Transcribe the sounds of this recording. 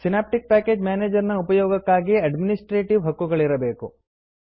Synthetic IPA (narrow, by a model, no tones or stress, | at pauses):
sinaːp̚ʈik̚paːkeːd͡ʒmjaːneːd͡ʒɐɾnɐupɐjɔːɡɐkːaːɡiɐɖminisʈɾeːʈiʋɦɐkːuɡɐɭiɾɐbe̞ːku